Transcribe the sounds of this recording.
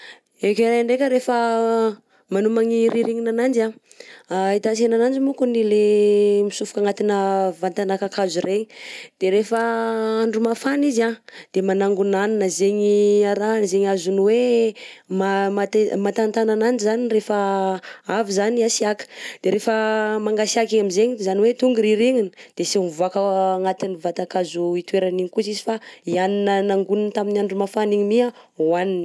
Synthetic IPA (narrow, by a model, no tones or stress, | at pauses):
ekeɾeɳɖ͡ʐekʲəɾefə | manumaŋiɾiɾiŋinanand͡ʒa | ait̪asenanand͡ʒimukunilemisufu̥kaŋat̪inəvant̪anakakʰazureid̪̥eɾefəaɳɖ͡ʐumafanizad̪̥emanaŋɡunannəzeɲiaɾanzeŋazuniwe | mamat̪emat̪ant̪anananizanirefə | avizaniasiakə̥d̪̥eɾefəmaŋɡasiakiɲamizeɲizaniwet̪uŋɡuɾiɾiɲinə̥d̪̥esiuvuakəːŋat̪inivat̪akazuit̪weɾaniɲikusizifaianinənaŋɡunint̪aminaɳɖ͡ʐumafaniɲimia | wanini